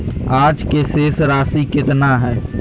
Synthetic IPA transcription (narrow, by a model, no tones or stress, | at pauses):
aːd͡ʒkeseːsɾaːsikɪt̪naɦɛː